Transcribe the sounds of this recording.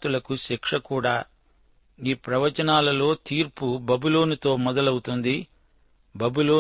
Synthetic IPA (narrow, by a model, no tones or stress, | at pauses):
t̪ulɐkuʃikʂɐkuːɽaː | iːpɾɐʋɐt͡ʃɐnaːlɐlo̞ːt̪iːɾpubɐbilo̞ːnut̪o̞ːmɔd̪ɐlɐwut̪und̪i | bɐbiloː